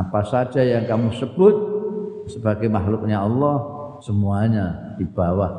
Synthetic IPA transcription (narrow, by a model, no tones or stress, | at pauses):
apasḁd͡ʒajaŋkamusəb̥ʊt̪̚səbaɡajmaɦlʊk̚ɲaɑlːɔh | səmuaɲa | d̪̥ib̥awah